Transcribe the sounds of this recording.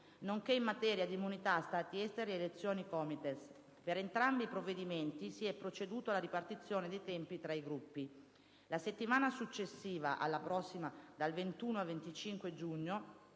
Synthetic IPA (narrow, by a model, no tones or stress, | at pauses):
noŋkeimːat̪ɛːɾjad̪imːunit̪ast̪aːt̪iɛst̪eɾeelet̪sːjoːnikɔmit̪es | peɾent̪ɾambipɾovːed̪iment̪isiɛpːɾot͡ʃed̪uːt̪oalaɾipart̪it̪sːjoːned̪ejt̪ɛmpit̪ɾaiɡɾupːi | laset̪ːimaːnasut͡ʃːesːiːva̰ʔa̰lːapɾɔsːimad̪alvent̪uːnoavent̪it͡ʃiŋkwed͡ʒuɲːo